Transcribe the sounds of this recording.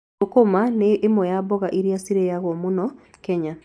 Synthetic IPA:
okomaneʔːmɔjabɔɣaʔiɾiasiɾeaɣɔmonɔ | kɛɲa

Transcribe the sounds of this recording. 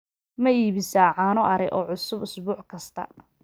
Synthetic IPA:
mɐiːβɪsaːʕɑːnɔʔɐɾɛʔɔːʕʊsʊbʊsbuːʕkʰɐst̪ʰɐ̰

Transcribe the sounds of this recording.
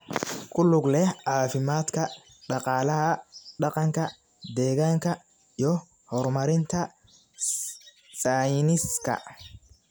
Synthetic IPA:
kʰʊlʊɡlɛhʕɑːfɪmaːd̪kʰɐ | ɖɑqɑːlɐɦɐɖɑqɑŋkʰɐ | d̪ɛːɣaːŋkʰɐ | ijɔ | hɔrmɐɾɪnt̪ʰɐ | sajnɪskʰɐ̰

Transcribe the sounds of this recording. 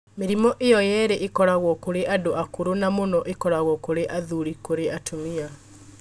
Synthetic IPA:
meɾimɔʔejɔjɛːɾeʔekɔɾaɣwɔkoɾeʔadoʔakoɾonamonɔʔekɔɾaɣwɔkoɾeʔaðuɾikoɾeʔatʰumia

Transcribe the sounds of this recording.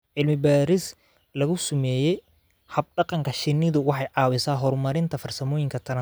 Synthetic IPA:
ʕɪlmɪbaːɾɪs | lɐɣʊsʊmɛːjɛj | hɐb̚ɖɑqɑŋkʰɐʃɪnːɪðʊwɑħɑjʕɑːwɪsaːɦɔrmɐɾɪnt̪ʰɐfɐrsɐmɔːjɪŋkʰɐt̪ʰɐnɐ

